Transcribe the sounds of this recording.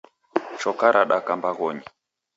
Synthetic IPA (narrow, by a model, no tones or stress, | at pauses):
ʃɔkaɾʔaɗakambaɣɔɲi